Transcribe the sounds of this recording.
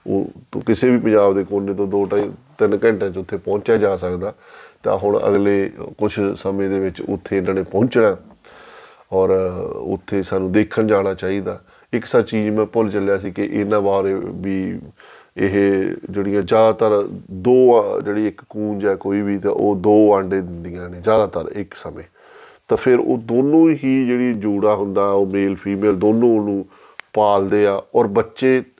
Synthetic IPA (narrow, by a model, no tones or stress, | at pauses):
o̰ːt̪o̰kɪseːbiːpə̃ɲd͡ʒaːbd̪eːkoːnːeːt̪õːd̪oːʈait̪ɪnkɛ̃ɳʈãːt͡ʃʊt̪ʰːeːpɔ̃ːɲt͡ʃaːd͡ʒaːsəkd̪aː | t̪ã̰ːɦʊɽ̃ə̰ɡleːkʊt͡ʃʰsəmẽːd̪eːʋɪt͡ʃʊ̰t̪ʰːeːɪnãːnẽːpɔ̃ːɲt͡ʃnaː | ɔːɾʊ̰t̪ʰːeːsaːnũːd̪eːkʰːənd͡ʒaːɽ̃aːt͡ʃaːiːd̪aː | ɪksaːt͡ʃiːd͡ʒmɛ̃ːpʊlt͡ʃəljaːsiːkɪʔɪ̰nãːbaːɾebiː | ɪɦd͡ʒeːɽɪjãːd͡ʒjaːd̪aːt̪əɾd̪oːd͡ʒeːɽiːɪkːuːnd͡ʒɛːkoːiːbiːt̪ḛ̃ʔoːd̪oːəɳɖeːd̪ɪnd̪ijãːneːd͡ʒjaːd̪aːt̪əɾɪksəmḛ̃ː | t̪ãːpʰɪɾo̰ːd̪oːnõːɦiːd͡ʒeːɽiːd͡ʒuːɽaːɦʊnd̪aːɛːoːmeːlpʰiːmeːld̪oːnõːonũː | paːld̪eːaːɔːɾbətːʃeː